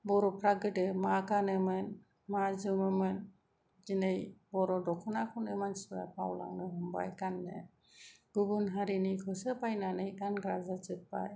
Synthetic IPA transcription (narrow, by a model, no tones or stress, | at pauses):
bɔɾɔpʰɾaɡɯʈɛmakanɯmɯn | mad͡ʒɯmɯmɯn | d͡ʒinejbɔɾɔdɔkʰɔnakʰɔnɛmansiba̰pʰawla̰ŋnɯɦɔmba̰jkanːɛ̰ | ɡ̥uɡunɦaɾinikʰɔsəpajnanejdanɡɾazat͡ʃɯt̪̚pa̰j